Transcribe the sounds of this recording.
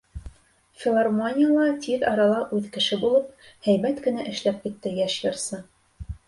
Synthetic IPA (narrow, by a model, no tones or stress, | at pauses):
fʲɪlˠarmonʲɪjəlˠɑt̪ʲiðɑɾɑlˠɑʔʉðkɘ̆ʃɘbulˠɤp̚hæjbæt̪kɘ̆næʔɘ̆ʃlæp̚kit̪ːɘjæʃjɤ̆ɾsɤ